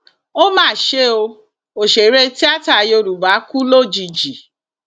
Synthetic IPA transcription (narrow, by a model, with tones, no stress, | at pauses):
o˦mãː˦˨ʃe˦o˧ | o˨ʃe˨ɾe˧ti˦a˦ta˨je˧o˧ɾu˨ba˨˦ku˦lo˦˨d͡ʒi˨d͡ʒi˨